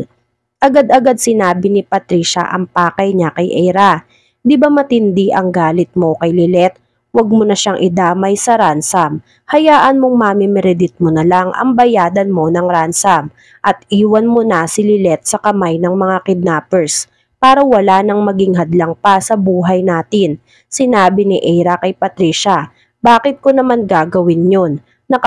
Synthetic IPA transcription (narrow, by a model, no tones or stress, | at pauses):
ʔɐɡad̪ɐɡad̪̚sɪnaːbɪnɪpɐt̪ɾiːʃɐ̰ʔɐ̰ŋpaːkɐjɲakɐjʔɛjɾa | d̪ɪbamɐt̪ɪnd̪iʔɐŋɡaːlɪt̪̚mo̞kɐjlɪlɛt̪̚ | wɐɡ̚monɐʃaŋʔɪd̪aːmɐjsɐɾansɐm | hɐjaːʔɐnmoŋmamɪmɛɾɛd̪ɪt̪̚monɐlaŋʔɐ̰ŋbɐjaːd̪ɐnmo̞nɐŋɾansɐm | ʔɐt̪̚ʔiːwɐnmonɐsɪlɪlɛt̪̚sɐkɐmajnɐŋmɐŋakɪd̪̚naːpɛɹs | paːɾɐwɐlaːnɐŋmɐɡɪŋɦɐd̪lɐŋpasɐbuːɦɐjnaːt̪ɪn | sɪnaːbɪnɪʔɛjɾɐkɐjpɐt̪ɾiːʃɐ | baːkɪt̪̚konɐmanɡaːɡɐwɪnjonː | ɐ